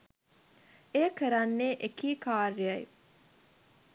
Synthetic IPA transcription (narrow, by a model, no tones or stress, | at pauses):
ejəkəɾanːeʔekiːkaːɾjaj